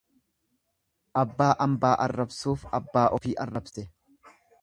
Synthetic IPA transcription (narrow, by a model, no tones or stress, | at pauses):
ʔɐbːaːʔɐmbaːʔɐrːɐbsuːfɐbːaːʔɔfiːʔɐrːɐbsɛ